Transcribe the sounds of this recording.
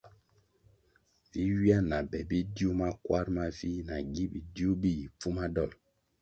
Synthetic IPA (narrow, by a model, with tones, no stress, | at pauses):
vi˦wi˦a˦na˨bɛ˨bi˦di˦u˦ma˦kwa˦ɾma˦vi˦na˨ɡi˦ɓi˨di˦u˦bi˦ji˨p͡fu˦ma˦dɔ˦˨m